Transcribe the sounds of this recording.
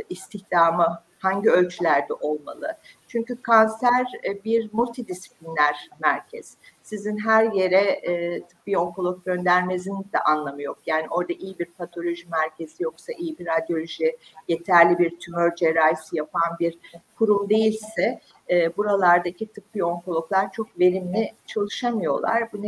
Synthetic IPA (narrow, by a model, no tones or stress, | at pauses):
ist̪ʰiçd̪̥aːmɯ | haɲɟiø̞lʲt͡ʃʰylʲæɾd̪ɛʔo̞lˠma̰lˠɯ̰t͡ʃʰyɲcykʰansæɾbiɾmulʲt̪ʰid̪isi̥plʲinlʲæɾ̥mæɾcʰɛz̥sizinɦæɾje̞ɾɛːt̪ʰɯ̥k̚bio̞ŋkʰolˠok̚ɟø̞nd̪æɾme̞zinid̪ɛ̰ʔanlˠamɯjo̞kjaːniʔo̞ɾd̪aʔijibiɾpʰat̪ʰo̞lʲo̞ʒimæɾcʰe̞zijo̞ksaʔijibiɾad̪jo̞lʲoʒije̞t̪ʰæɾlʲibiɾt̪ʰymøɾd͡ʒeɾajsɯjapʰanbiɾkʰuɾumd̪e̞jilʲsɛː | buɾalˠaɾd̪acʰit̪ʰɯk̚bijo̞ŋkolˠo̞klˠaɾt͡ʃʰo̞kve̞ɾimlʲit͡ʃʰalˠɯʃamɯjo̞̰lˠa̰ɾbunɛ